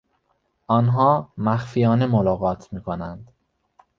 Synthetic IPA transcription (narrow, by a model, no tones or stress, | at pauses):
ʔɒːnɦɒːmæxfijɒːne̞molɒːɣɒːt̪ʰmiːkʰonænd̪̥